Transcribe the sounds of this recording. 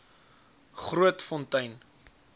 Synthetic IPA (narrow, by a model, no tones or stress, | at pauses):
χruətfɔntɐjn